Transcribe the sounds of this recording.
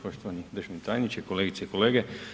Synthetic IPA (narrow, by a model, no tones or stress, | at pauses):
poʃt̪oʋanid̪ɾʒnit̪ajnit͡ʃekoleːɡit̪seikoleːɡe